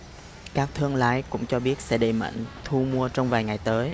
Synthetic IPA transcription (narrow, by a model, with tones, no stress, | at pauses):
kaː˦˥k̚t̪ʰɨ˧əŋla̰ː˨˧˥jkʊ̰˧˥ŋ͡mt͡ɕɔ˧ɓi˦˥ət̚sɛ̰˧˥ɗe˨˩ma̰˧˨ŋ̟t̪ʰu˧mu˧ət͡ɕɔ˧wŋ͡mvaː˨˩jŋa˨˩jt̪əː˨˦j